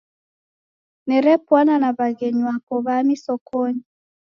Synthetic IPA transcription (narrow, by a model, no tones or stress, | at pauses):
nɛɾɛpwananaβaɡeɲwapɔβamisɔkʰoɲi